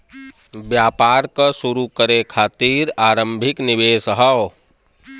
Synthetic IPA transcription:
bjaːpaːɾkasʊɾukəɾekʰaːt̪iːɾaːɾə̃mbʱɪknɪʋeːsɦəw

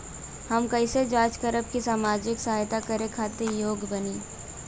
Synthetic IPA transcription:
hɐmkɐised͡ʒaːt͡ʃkəɾəb̚kisaːmaːd͡ʒɪksɐɦaːjt̪akəɾekʰaːt̪ejoːɡbɐniː

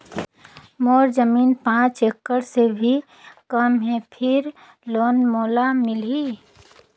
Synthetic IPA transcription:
moːɾd͡ʒəmiːnpãːt͡ʃekːəɽsebʱi | kəmɦɛ̃pʰɪɾ | loːnmoːlamɪli

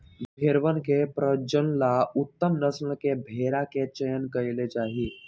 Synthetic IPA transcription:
bbʱeɾʋənkepɾəd͡ʒənlaut̪ːəmnəsnəkebʱeɾaket͡ʃəjənkəjled͡ʒaɦiː

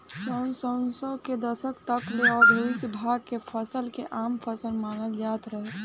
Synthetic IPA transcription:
sənsənsɔked̪əsəkt̪əkleɔːɾbʱeɪd̪bʱaːɡkepʰəsəlkeʔaːmpʰəsəlmaːnəld͡ʒaːt̪ɾəɦe

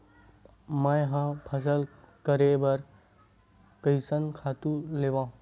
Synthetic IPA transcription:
mãjɦãpʰɐs̬əlkəɾebəɾ | kəjsənkʰaːt̪ũleʋãːɦ

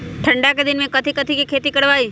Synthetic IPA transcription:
ʈʰəɳɖaked̪ɪnmẽkət̪ʰikət̪ʰikekʰet̪ikəɽʋai

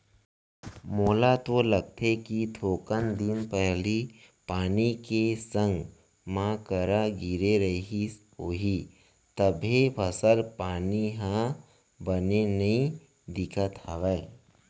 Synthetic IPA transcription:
moːlat̪oləɡ̚t̪ʰekit̪ʰoːkənd̪ɪnpɛɦli | paːnikesə̃ŋɡ | mãːkəɾaɡiɾeɾəɦi | ɦoːɦi | t̪əbʱepʰəsəlpaːniɦã | bənenɐɦĩ | d̪ɪkʰət̪əʋəe

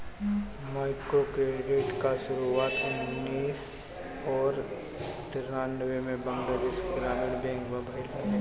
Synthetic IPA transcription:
maːɪkɾokɾeɖiʈkaʃʊɾuaːt̪ʊnniːs | ɔːɾ | t̪ɪɾnaːnʋemẽbɐ̃ŋɡlad̪eʃɡɾaːɦɪʈbɛ̃ːŋkʋɐbaɪl

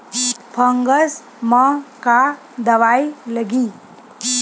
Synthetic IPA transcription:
pʰəŋɡəs | mʌka | d̪əʋajləɡi

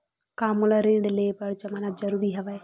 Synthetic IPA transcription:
kaːmulaɾĩːɳɖleːpɐɽt͡ʃɐmaːnad͡ʒɐɾuːɾiɦɐʋae

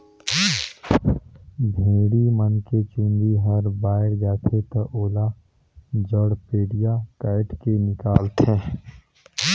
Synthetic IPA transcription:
bʱeːɽimənket͡ʃɪ̃nd̪iɦəɾbaːɪɾd͡ʒaːt̪ʰet̪əʔoːla | d͡ʒəɽpeːɽijakaːɪʈkenɪkaːlt̪ɛ̃ː

